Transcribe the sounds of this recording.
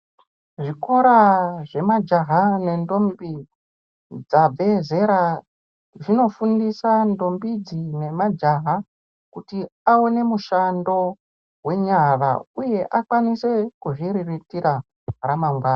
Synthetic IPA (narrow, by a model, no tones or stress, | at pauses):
ʐiko̞ɾaʐe̞mad͡ʒaɦane̞ndo̞mbi | d͡zab͡veze̞ɾa | ʐino̞fundisando̞mbid͡zine̞mad͡ʒaɦa | kutiaone̞muʃando̞ | we̞ɲara̰uje̞ʔakwanise̞kuʐiriritiɾa | ɾamaŋɡwaːna